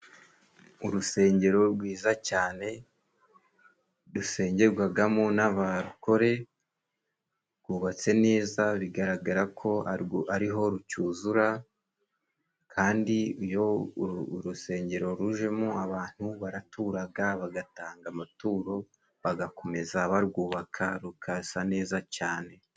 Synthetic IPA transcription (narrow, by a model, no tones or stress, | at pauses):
uɾuse̞ːɲɟe̞ɾo̞ɾɡwiːzacaːne̞ | ɾuse̞ːɲɟe̞ɾɡwaɡamonaβaɾuko̞ɾe̞ | ɾɡuːβat͡se̞ne̞ːzaβiɡaɾaɡaɾakʰo̞aʔaɾiɦo̞ɾucuːzuɾa | kʰaːndiujo | ɾuse̞ːɲɟe̞ɾo̞ɾuʒe̞muaβaːn̥huβaɾatuːɾaɡaβaɡataːŋɡamatuːɾo̞ | βaɡakʰo̞me̞zaβaɾɡuːβakʰaɾukʰasane̞ːzacaːne̞